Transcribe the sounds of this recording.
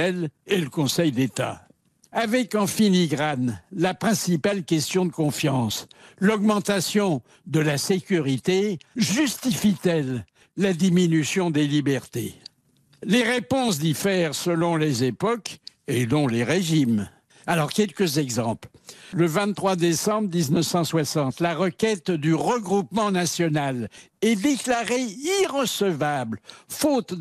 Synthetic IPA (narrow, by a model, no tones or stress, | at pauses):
ɛleləkɔ̃sɛjd̪et̪a̰ | avɛkɑ̃finiɡʁanlapχɛ̃sipalkʲɛst̪jɔ̃d̪əkɔ̃fjɑ̃slɔɡmɑ̃t̪asjɔ̃ | d̪əlasekʲyʁit̪eʒyst̪ifit̪ɛlː | ad̪iminysjɔ̃d̪elibɛʁt̪ḛ | leʁepɔ̃sd̪ifɛʁsəlɔ̃lezepɔkenɔ̃leʁeʒim | alɔʁkʲɛlkəzɛɡzɑ̃plləvɛ̃t̪t̪ːχwad̪esɑ̃bʁd̪iznəfsɑ̃swasɑ̃t̪laʁəkʲɛt̪d̪yʁəɡʁupmɑ̃nasjɔnalɛd̪eklaʁeiʁəsəvablfot̪